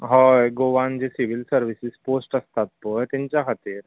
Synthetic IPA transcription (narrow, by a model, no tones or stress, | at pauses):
ɦɔeɡoːʋaːnd͡ʒesiʋɪlsɐɾʋɪsɪspoːsʈɐst̪ʰat̪̚poet̪ɪnt͡ʃakʰat̪iːɾ